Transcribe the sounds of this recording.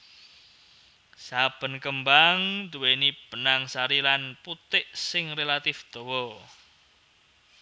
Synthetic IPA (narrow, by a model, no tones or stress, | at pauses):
sab̥ə̤nkəmbaŋd̪uwenib̥ə̤naŋsaɾilanput̪ɪʔsɪŋrelat̪ɪfd̪̥ɔ̤wɔ